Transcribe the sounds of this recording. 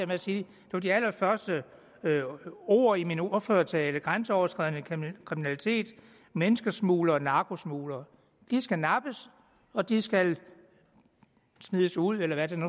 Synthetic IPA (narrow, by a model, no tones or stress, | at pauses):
ɐmeæsiː | d̥e̝ʋɑd̥iæl̰ɐfɶɐsd̥ə | o̝̰ːɐ̰iminoføːɐt͡sʰɛːləɡ̥ʁansəɒʊɐt͡sʰɡ̥ʁɛðˠənəkʰʁiminælit͡sʰe̝̰ːd̥ | menəsɡ̥ɐsmṵːlɐːnɑ̈ːɡ̥o̝smṵːlɐː | d̥isɡ̥ænɑ̈b̥əs | ɒ̽d̥isɡ̥æl | smiðˠəsuð̰ˠelɐʋæd̥enu